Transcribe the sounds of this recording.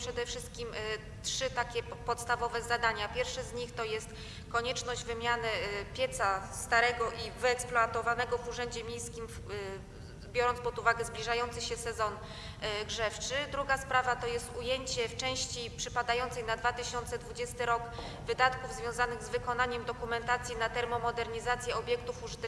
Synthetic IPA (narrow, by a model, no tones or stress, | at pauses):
pʂɛd̪ɛfʂɘst̪̚kʲim | tʂɘt̪akʲɛpɔt̪st̪avɔvɛzad̪aɲapʲjɛɾfʂɛzɲixt̪ɔjɛst̪ | kɔɲɛt͡ʂnɔʑd͡ʑvɘmʲjanɘpʲjɛt̪sast̪aɾɛɡɔʔivɘɛksplɔat̪ɔvanɛɡɔvuʐɛɲd͡ʑɛmʲjejskʲim | bʲjɔɾɔnt̪spɔd̪uvaɡɛzblʲiʐajɔnt̪sɘɕɛsɛzɔn | ɡʐɛft͡ʂɘd̪ɾuɡaspɾavat̪ɔjɛst̪ujeɲt͡ɕɛft͡ʂɛ̃w̃ɕt͡ɕipʂɘpad̪ajɔnt̪sɛjnad̪vat̪ɘɕɔnt̪sɛd̪vud͡ʑɛst̪ɘɾɔɡ | vɘd̪at̪kuvzvʲjɔ̃w̃zanɘɣzvɘkɔnaɲɛmd̪ɔkumɛnt̪at̪sʲjinat̪ɛɾmɔmɔd̪ɛɾɲizat̪sʲjɛɔbʲjɛkt̪ufuʐɘt̪